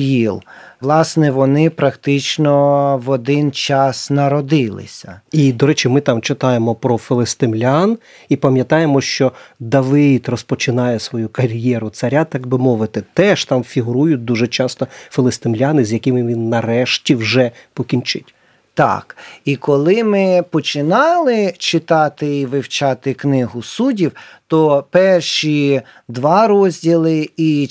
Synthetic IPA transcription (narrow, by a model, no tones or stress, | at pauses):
jilˠlˠɑsnɛʋɔnɪpɾɐkt̪ɪt͡ʃnɔʋɔd̪ɪnt͡ʃɑsnɐɾɔd̪ɪlˠɪ̰sʲɐid̪ɔɾɛt͡ʃimɪt̪ɑmt͡ʃɪt̪ɑjemɔpɾɔfɪlˠest̪ɪmlʲan | ipɐmʲjɐt̪ɑjemɔʃt͡ʃɔd̪ɐʋɪt̪rɔspɔt͡ʃɪnɑjɛsʋɔjukɐɾʲjɛɾʊt̪sɐɾʲat̪ɑɡbɪmɔʋɪt̪ɪt̪ɛʃt̪ɑmfʲiɦʊɾujʊt̚ʲd̪uʒɛt͡ʃɑst̪ɔfɪlˠɪst̪ɪmlʲɑnɪzʲjɐkɪmɪʋʲinːɐɾɛʃtʲiwʒɛpɔkʲint͡ʃɪtʲ | t̪ɑ̰kikɔlˠɪmɪpɔt͡ʃɪnɑlˠɪt͡ʃɪt̪ɑt̪ɪiʋɪwt͡ʃɑt̪ɪknɪɦʊsudʲiwt̪ɔpɛrʃi | d̪ʋɑɾɔzʲdʲilˠɪi